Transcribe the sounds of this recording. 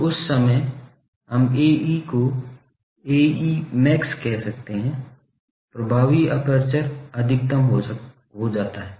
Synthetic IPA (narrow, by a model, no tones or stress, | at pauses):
ʊsːəməj | ɦɐmeːiːko | eːiːmɛːkskɛɦsɐk̚t̪eɦɛ̃ | pɾɐbʱaːʋiɐpəɾt͡ʃəɾɐd̪ʱɪk̚t̪əmɦo | ɦod͡ʒaːt̪aɦɛː